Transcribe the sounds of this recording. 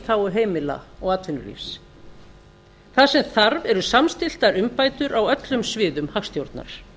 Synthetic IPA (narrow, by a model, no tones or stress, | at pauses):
t̪ʰawʏɦeːjmɪla̰ɔɣaːt̪vɪnːʏ̰ɾlḭfs | θasɛmθaɾvɛɾʏsamst̪ɪl̥t̪aɾʏmpaːjt̪ʏɾʔawœt̪lʏmsvɪːðʏmhaxst̪jowɾt̪na̰ɾ̥